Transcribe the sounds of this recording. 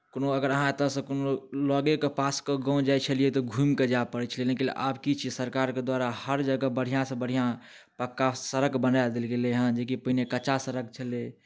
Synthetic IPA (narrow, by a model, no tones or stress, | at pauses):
konoəɡəɾəɦãt̪əsə̃konolɔɡekepaskəɡɔ̃d͡ʒajt͡ʃʰəlijet̪ɔɡʱumked͡ʒapəɽɛt͡ʃʰəlelekiʔa̰bkit͡ʃʰisəɾkaɾked̪waɾahəɾd͡ʒəɡəbəɽ̤ijãsə̃bəɽ̤ʱijã | pəkːasəɾəkbənajd̪elɡeleɦə̃d͡ʒekipəɦinekət͡ʃasəɾək̚t͡ʃʰəle